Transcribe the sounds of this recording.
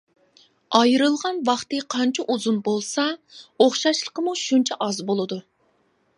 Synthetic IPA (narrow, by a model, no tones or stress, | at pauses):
ɑjɾɨlˠʁɑnwɑχt̪ɨqʰɑnt͡ʃʰiʔuzunbolˠsɑoχʃɑʃlˠə̥qəmuʃunt͡ʃʰɛʔɑzbolˠɨd̪u